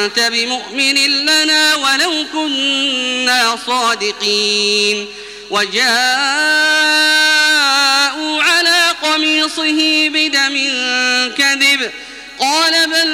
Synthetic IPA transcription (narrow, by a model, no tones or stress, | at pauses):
nt̪abɪmʊʔmɪnɪnlanaːwalawkʊnnːaːsˤɑːd̪ɪqiːn | wʔad͡ʒaː | ʔuːʕalaːqɑmiːsˤɨɦɪbɪd̪amɪnkaðɪb | qɑːlabal